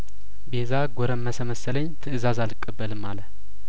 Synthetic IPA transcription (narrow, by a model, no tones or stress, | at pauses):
bezaɡʷoɾəmːəsəməsələɲt̪ʰɨɨzazalɨkʼːəbːəlɨmːalə